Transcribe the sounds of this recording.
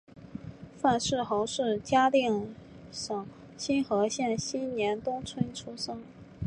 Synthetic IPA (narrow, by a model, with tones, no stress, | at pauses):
fa˥˧nʂɻ̩˥˩xo˧˥ʊʂɻ̩˥˩t͡ɕja˥t̪i˥˩ŋ | ʂɤ˨˩ŋ | ɕi˥nxɤ˧˥ɕjɛ˥˩nɕi˥nnjɛ˧˥nt̪ʊ˥ŋt͡sʰwə˥nʈ͡ʂʰu˥ʂɤ˥ŋ